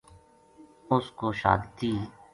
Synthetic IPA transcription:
ʊskoːʃa̰ːd̪t̪iː

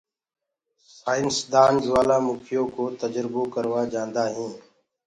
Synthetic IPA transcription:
saːɪnsd̪aːnd͡ʒʋaːlaːmʊkʰɪjõːkoːt̪əd͡ʒɾboːkəɾʋaːd͡ʒãːnd̪aːɦĩː

